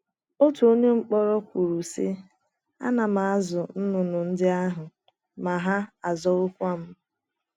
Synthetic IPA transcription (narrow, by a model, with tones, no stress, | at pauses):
o˦tu˨o˦ɲe˦ŋ͡m̩˦k͡pɔ˦ɾɔ˦kʷu˨ɾu˨sɪ̰˦ | a̰˦na˨ma˨a˦zʊ˨n̩˦nʊ˨nʊ˨n̩˦dɪ˦a˦ɦʊ˨ | ma˨ɦa˦a˨zɔ˨ʊ˦kʷa˦m̩˦